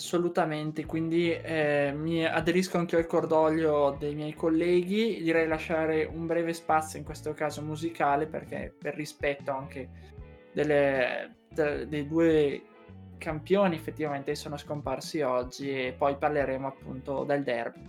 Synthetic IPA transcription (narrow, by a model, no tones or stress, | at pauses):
asːolut̪ament̪ekwind̪i | mia̰d̪eɾiskoaŋk̟iːoalkord̪ɔʎːod̪ejmjɛjkolːɛːɡid̪iɾɛjlaʃːaːɾeʔumbɾɛːvespat̪sːjoiŋkwest̪okaːzomuzikaːlepḛrk̟ɛ̰perːispɛt̪ːoaŋke | d̪elːe | t̪ad̪ejd̪uːe | kampjoːniefːet̪ːivament̪esoːnoskomparsiɔd͡ʒːiepːɔjparleɾeːmoapːṵnt̪od̪eld̪ɛ̰rbi